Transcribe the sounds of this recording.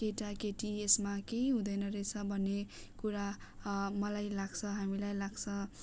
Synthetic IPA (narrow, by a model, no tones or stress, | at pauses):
keʈakeʈiesmakeiɦũd̪ʌjnʌɾet͡sʰʌbʱʌnːekuɾa | mʌlajlaɡt͡sʰʌɦamilajlaɡt͡sʰʌ